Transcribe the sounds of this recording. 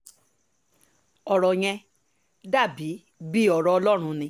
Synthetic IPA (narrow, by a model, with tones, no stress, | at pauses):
ɔ˨ɾɔ˨j̃ɛ̃˧ | da˦˨bi˨˦ | bi˦ɔ˧ɾɔ˧ɔ˧lɔ˦ɾ̃ũ˧nĩ˧